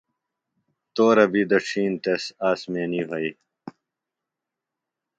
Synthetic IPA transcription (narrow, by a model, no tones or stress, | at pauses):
t̪oːɾɐbid̪ɐʈ͡ʂʰiːnt̪esaːsmeːniɦɐi